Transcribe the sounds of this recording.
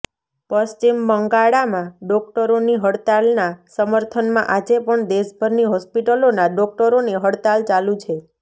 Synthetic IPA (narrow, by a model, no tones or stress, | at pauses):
pəst͡ʃimːəŋɡaɽamãɖɔk̚ʈəɾoniɦəɽt̪alnasəməɾt̪ʰənmãʔad͡ʒepəɳd̪eʃbʱəɾniɦɔspiʈəlonaɖɔk̚ʈəɾoneɦəɽt̪alt͡ʃalũt͡ʃʰe